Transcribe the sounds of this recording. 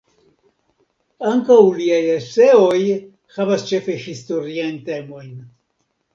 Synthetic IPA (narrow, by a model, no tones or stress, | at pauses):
aŋkawliajese̞o̞j | havast͡ʃe̞fe̞histo̞ɾiajnte̞mo̞jn